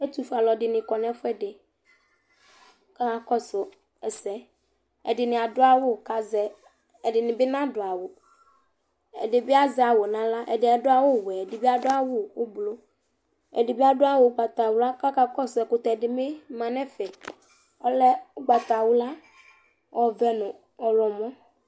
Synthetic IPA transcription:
e˦t̪u˦fa˨lɔ˨ɖɪ˨nɪ̃˨kɔ˨nɛ̃˦fʊ˦ɛ˦dɪ˨ | ka˦ka˨kɔ˦sʊ˨ | ɛ˨sɛ˨ | ɛ˨ɖɪ˨nɪ̃˨a˨dʊ˦a˦wo˦˨ka˨zɛ˨ | ɛ˨dɪ˨nɪ̃˨bɪ˦nã˦dʊ˨a˨wo˨ | ɛ̰˨dɪ˨bɪ˦a˦zɛ˨a˨wo˨nã˨la˦ʔɛ̰˨dɪ˨˦ɛ˨dʊ˦a˦wo˦˨wɛ˨ɛ˨dɪ˨bi˦a˨dʊ˦a˦wʊ˦wo˦blo˦ | ɛ̰˨di˨bi˦a˦˨dʊ˦a˦wo˨˦ɡ͡ba˨t̪a˨wo˦la˦ka˦ka˦kɔ˦sʊ˨ɛ˨kʊ˨t̪ɛ˨dɪ˨me˦mã˨nɛ̃˦fɛ˨ | ɔ˦lɛ˦ʊ˦ɡ͡ba˨t̪a˨wʊ˦la˦ | wɔ˨vɛ˦nʊ̃˨ | ɔ˨lɔ˨mɔ̃˦

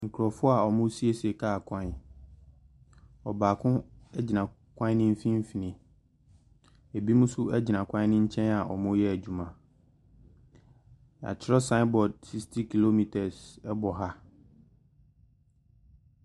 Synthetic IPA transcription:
ŋ̩˨kʰɾɔ˨fʊ˦a˨ɔ˨mʊ̃˦si˦e˦sɛ˨kʰaː˦a˨kʷʰã˦˨ | ɔ˨baː˨kʰʊ̃˦ɛ˦d͡ʑɪ˨nã˨ | kʷʰã˦ɪ˦nɪ̃˦m̩˦fĩ˦m˦fi˨nɪ̃˨ | e˨bi˦mũ˦sʊ˦ɛ˦d͡ʑɪ˨nã˨kʷʰã˦ɪ˦nɪ̃˦ɲ̩˦t͡ɕʰɛ̃˦na˨ʔɔ̰˨mʊ̃˦jɛ˦æ˨d͡ʑᶣu˨mã˨ | a̰˨t͡ɕʰɪ˦ɾɔ˦sa˦bɔ˨d̚si˦kstʰi˦kʰi˨lo˦mi˨tʰɛ˨sɛ˦bɔ˨ɦa˦

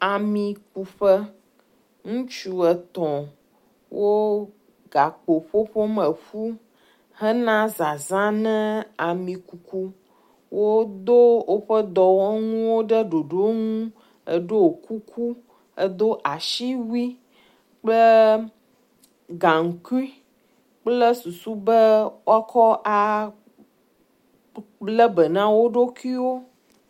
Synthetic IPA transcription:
a˨mĩ˨ku˨ɸə˦ | ŋũ˦t͡ʃu˨ə˨t̪ɔ̃˨ | wʔo˦ | ɡa˨k͡po˨ɸo˦ɸo˦mə˨ɸu˦ | hə˦nã˦za˨zã˦nɛ̃˦a˨mĩ˨ku˨ku˦ | wo˦d̪o˦wo˦ɸə˦d̪ɔ˨wŋũ˦wo˦ɖə˦ɖo˨ɖo˦ŋũ˦ | ə̰˦ɖo˦o˨kʰu˦kʰu˦ | ə˦d̪o˦ʔa˨ʃi˦wi˦ | k͡plə˦ | ɡã˨ŋ̩˨ki˦ | k͡plə˦su˨su˦bə˦wo˦a˦kʰɔ˦ʔa˨ | k͡plə˦bə˨nã˦wo˦ɖo˦ki˦wo˦

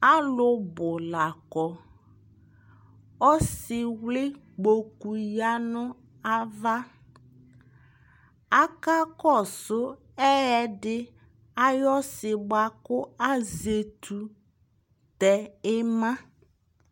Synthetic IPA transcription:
a˦lʊ˦bʊ˨la˨kɔ˨ | ɔ˦sɪ˨wlɪ˦ | k͡po˨ku˨ja˦nʊ˦ | a˦va˦ | a˦ka˦kɔ˦˨sʊ˦ | ɛ˦ɛ˦dɪ˦ | a˦jɔ˦sɪ˨ɡ͡ba˨kʊ˦a˦ze˨tʰu˨ | tɛ˨ɪ˦mã˦

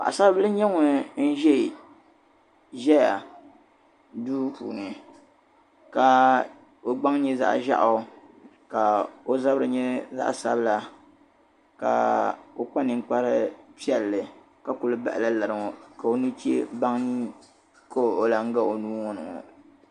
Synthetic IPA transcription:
pa̰˨ʔa̰˨sa˦blɨ˦ɲɛ˦ŋɔ˨n̩˦ʒɛ˦˨ | ʒɛ˦ja˨ | duː˦pṵː˨nɨ˨ | ka˨ | o˦ɡ͡ba˦ŋ˦ɲi˦za̰˦ʔʒa̰˦ʔ | ka˨o˦za˦bɾɨ˨ɲɛ˦za̰˦ʔsa̰˦bɨ˦la˦ | ka̰˨o˦k͡pa˦nɨ˨ŋk͡pa˦ɾɨ˦pi˦ɛ˨lːɨ˨ | ka˨ku˨lɨ˦ba̰˨ʔɪ˨la˦la˨ɾɨ˨ŋo˨ka˨o˦nu˦t͡ʃḛ˦ba˦ŋɲi˦ | kʰo˦˨o˨la˦ŋ̩˦ɡa˦o˨nuː˦ŋɔ˦nɨ̰˨ŋɔ̰˨

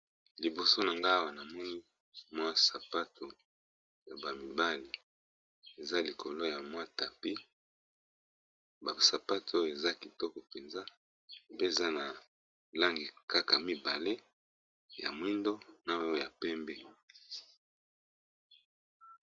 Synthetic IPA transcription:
li˨bo˨so˦na˨ŋɡa˦wa˨na˨mɔ˦ni˦ | mwa˦sa˨pa˦to˨ | ja˨ba˨mi˨ba˦li˨ | e˨za˦li˨ko˨lo˦ja˨mwa˦ta˨pi˦ | ba˨sa˨pa˦to˦je˨za˦ki˨tɔ˦kɔ˨pe˨nza˦ | pe˦e˨za˦na˨ | la˦ŋɡi˨ka˦ka˨mi˦ba˨le˦ | ja̰˨mwi˦ndo˦na˨˦ja˨pɛ˦mbɛ˦

